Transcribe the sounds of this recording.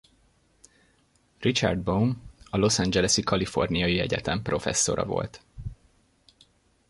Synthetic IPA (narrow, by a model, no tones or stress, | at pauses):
rit͡ʃɒ̰rd̪̚bonɒlo̞sɒnd͡ʒɛlɛsikɒlifo̞rnijɒjiɛɟɛt̪ɛmpro̞fɛ̰sːo̞ɾɒ̰vo̞̰lt̪